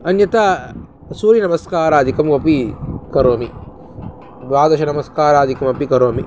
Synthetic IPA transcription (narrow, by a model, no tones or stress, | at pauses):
ɐnjɐt̪a | suːɾinɐmɐskaːɾaːd̪ʱikɐmɐpikɐɾoːmi | ʋaːd̪ɐʃɐnɐmɐskaːɾaːd̪ʱikɐmɐpikɐɾoːmi